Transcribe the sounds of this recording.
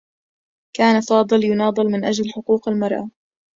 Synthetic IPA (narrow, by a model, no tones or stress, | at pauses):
kaːnafɑːd̪ˤɨljʊnɑːd̪ˤɨlmɪnʔad͡ʒlħʊquːqalmɑɾˤʔa